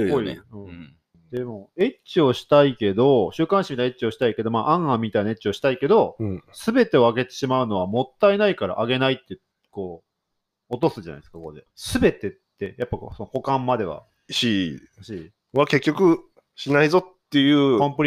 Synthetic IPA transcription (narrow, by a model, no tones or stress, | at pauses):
ooiɯ̟̃ | d̪̥e̞mo̞e̞t͡ɕio̞ɕi̥t̪aike̞d̪o̞ɕɨːkãɰ̃ɕimʲit̪aet͡ɕio̞ɕi̥t̪aike̞d̪o̞maːʔãɰ̃ãmʲːit̪ainae̞t̚t͡ɕio̞ɕi̥t̪aike̞d̪o̞sɨbe̞t̪e̞o̞aɡe̞t̪e̞ɕimaɯ̟no̞βamo̞t̪ːaenaikaɾa̰ʔaɡe̞nait̪ːe̞ | ko̞ː | t̪o̞sɨd͡ʑana̰id̪eskakood̪esɨbe̞t̪e̞t̪ːe̞japːako̰sonoko̞kãmːad̪e̞βa̰ | ɕi | ɕi | βake̞kʲːo̞kɯ̟ | ɕinaizo̞t̪ːe̞jɯːkõmpɯɾʲ